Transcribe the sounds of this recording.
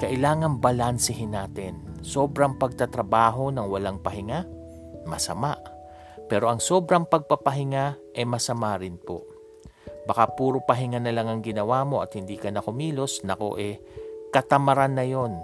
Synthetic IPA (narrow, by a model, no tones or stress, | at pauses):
kɐʔɪlaːŋɐŋbɐlansɪɦɪnaːt̪ɪnso̞ːbɾɐŋpɐɡ̚t̪ɐt̪ɾɐbaːɦo̞nɐŋwɐlaŋpɐhɪŋa | mɐsɐmaʔ | pɛːɾo̞ʔɐŋso̞ːbɾɐŋpɐɡ̚pɐpɐɦɪŋa | ʔɛmɐsɐmaːɾɪnpo̞̰ | bɐkapuːɾopɐɦɪŋanɐlaŋɐŋɡɪnɐwamo̞ʔɐt̪̚hɪnd̪iːkɐnɐkʊmiːlo̞snɐko̞̰ʔɛ | kɐt̪ɐmɐɾanːɐjo̞n